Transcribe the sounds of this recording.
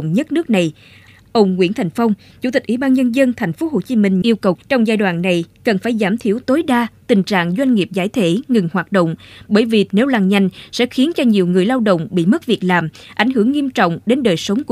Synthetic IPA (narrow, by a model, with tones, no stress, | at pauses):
ŋ͡mɲə˦˥t̚nɨ˦˥k̚na˨˩j | ʔə˧wŋ͡mŋwḭ˧˥ənt̪ʰa˨˩jŋ̟fə˧wŋ͡m | t͡ɕu˧˥t̪ï˨˩k̚ʔi˧˦ɓaː˧nɲə˧nzə˧nt̪ʰɛ˨˩jŋ̟fo˨˦ɦho˨˩t͡ɕi˨˦mï˧ŋ̟ʔi˧əwkə˨˩wt͡ɕɔ˧wŋ͡mzaː˧jɗwaː˧˨nːa˨˩jkə˨˩nfaː˧˩jzaː˧˩mt̪ʰi˧˩əwt̪o˨˦jɗaː˧t̪ï˨˩ŋ̟t͡ɕa̰ː˧˨ŋzwa˧jŋ̟ŋi˨˩əp̚zaː˧˩jt̪ʰe˧˥ŋɨ˨˩ŋhwaː˨˩t̚ɗo̰˧˨wŋ͡mɓəː˧˩jvi˨˩ne˨˦wlaː˨˩ŋɲa˨˧˩jŋ̟sɛ̰˧˥xi˨˦ənt͡ɕɔ˧ɲi˨˩əwŋɨ˨˩əjlaː˧wɗə̰˧˨wŋ͡mɓḭ˧˨mə˦˥t̚vi˨˩ək̚laː˨˩mʔa˧˩jŋ̟ɦɨ˧˩əŋːi˧əmt͡ɕɔ̰˧˨wŋ͡mɗe˨˦nɗəː˨˩jsə˨˦wŋ͡mk